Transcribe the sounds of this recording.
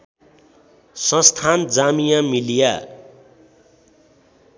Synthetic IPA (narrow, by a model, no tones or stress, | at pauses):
sʌ̃st̪ʰand͡zamijamilija